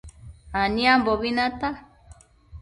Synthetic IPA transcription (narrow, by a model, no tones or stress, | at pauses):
aniamboβinat̪a